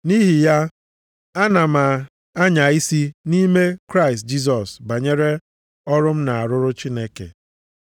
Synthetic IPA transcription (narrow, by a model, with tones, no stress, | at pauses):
ni˦ɦi˨ja˦ | a˦na˨ma˨ | a˦ɲa˨i˦si˦ni˦me˦kɾa˦ɪ˨st̚d͡ʒi˦s̬ɔ˨sba˨ɲe˦ɾe˦ | ɔ˦ɾʊ˦m̩˦na˨a˨ɾʊ˦ɾʊ˦t͡ʃi˦ne˦kḛ˨